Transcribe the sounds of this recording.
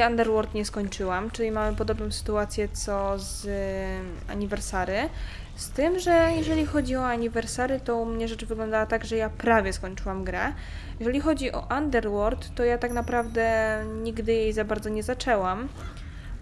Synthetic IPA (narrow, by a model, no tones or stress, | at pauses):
and̪ɛɾwɔɾt̪ɲɛskɔɲt͡ʂɘwamt͡ʂɘlʲimamɘpɔd̪ɔbnɔ̃w̃sɘ̥t̪uat̪sʲjɛt̪sɔz | a̰ɲivɛɾsaɾɘ | st̪ɘmʐɛjɛʐɛlʲixɔd͡ʑiɔaɲivɛɾsaɾɘt̪ɔumɲɛʐɛt͡ʂvɘɡlɔnd̪awat̪aɡʐɛjapɾavʲjɛskɔɲt͡ʂɘwamɡɾɛ | jɛʐɛlʲixɔd͡ʑiʔɔ̰ʔand̪ɛɾwɔɾt̪ːɔjat̪aknapɾavd̪ɛɲiɡd̪ɘjejzabaɾd̪zɔɲɛzat͡ʂɛwam